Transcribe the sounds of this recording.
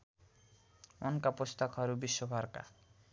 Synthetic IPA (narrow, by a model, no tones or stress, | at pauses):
ɔŋkapost̪akʰɔɾubiʃːobʱaɾka̰